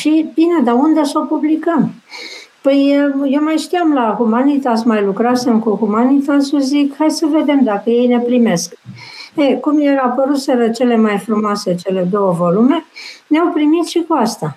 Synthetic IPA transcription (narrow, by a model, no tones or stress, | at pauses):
ʃibined̪aund̪e̞so̞publikəm | pəjjewmajʃt̪ijamlahumanit̪asmajlukɾase̞mkuhumanit̪asuzikhajsəve̞d̪e̞md̪akəje̞jne̞pɾime̞skekumjeɾapəɾut̪seɾət͡ʃe̞le̞majfɾumoase̞t͡ʃe̞le̞d̪o̞wəvo̞lume̞neawpɾimit̪ʃikuast̪a